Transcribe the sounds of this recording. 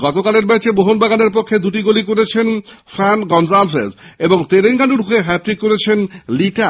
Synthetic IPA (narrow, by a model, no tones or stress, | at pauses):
ɡɔt̪okaleɾbet͡ɕeboɦonbaɡaneɾpokʰːed̪uʈiɡolikoɾet͡ɕʰenfɛnɡɔnzalfezeboŋt̪eɾeŋkanɖuɾɦoeɦɛpɾikoɾet͡ɕʰenliʈa